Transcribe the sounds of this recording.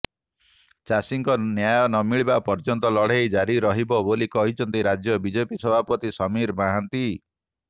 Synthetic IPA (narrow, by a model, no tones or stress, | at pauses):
t͡ʃasiŋkɔnjajɔnɔmiɭibapɔɾd͡ʒɔnt̪ɔlɔɽ̤ejd͡ʒaɾiɾɔɦibɔbolikɔɦit͡ʃʰɔnt̪iɾad͡ʒjɔbid͡ʒepisɔbʱapɔt̪isɔmiɾmaɦant̪i